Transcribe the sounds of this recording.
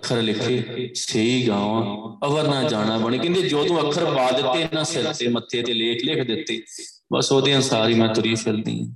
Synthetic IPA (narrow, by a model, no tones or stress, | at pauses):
əkʰːəɾlɪkʰːeːseːiːɡãːʋãːəʋəɾnãːd͡ʒaːɽãːbəɳ̃eːkɪ̃nd̪eːd͡ʒoːt̪ũːəkʰːəɾbaːd̪ɪt̪ːeːnãːsɪɾt̪eːmət̪ʰːeːət̪eːleːkʰlɪkʰd̪ɪt̪ːeː | bə̰soːd̪eːãːsaːɾiːmɛ̃ːt̪ʊɾiːfʰɪld̪ḭːã̰ː